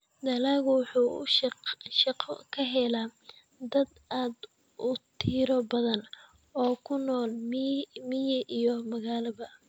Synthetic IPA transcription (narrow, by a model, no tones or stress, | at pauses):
d̪ɐlaːɣʊwʊħuːʃʃɑqʰɔ̰kʰɐɦɛlaː | d̪ɐd̪ʔaːd̪ | ʔʊt̪ʰiːɾɔbɐðɐn | ɔːkʰʊnɔːlmmɪjɐʔijɔmɐɣaːlɐβɐ